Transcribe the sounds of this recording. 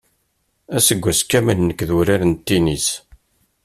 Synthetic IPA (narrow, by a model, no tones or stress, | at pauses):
æsəɡʷːæskːæmənnəkːðuɾaɾənt̪ːinis